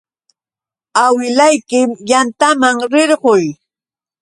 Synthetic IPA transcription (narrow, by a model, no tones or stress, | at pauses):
awɪlajkɪmjant̪amaŋɾɪɾɢoj